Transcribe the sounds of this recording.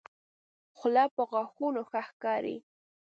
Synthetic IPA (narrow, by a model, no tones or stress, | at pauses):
xʊlapoɣɑxunoxaxkɑɾḭ